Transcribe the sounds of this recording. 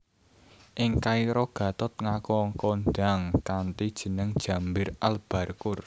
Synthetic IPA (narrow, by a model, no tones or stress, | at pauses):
ʔɪŋkaiɾɔɡ̥ä̤t̪ɔt̪̚ŋakɔŋkɔndaŋkant̪id̥ʒ̥ə̤nəŋd̥ʒ̥a̤mbɪralb̥a̤rkʊr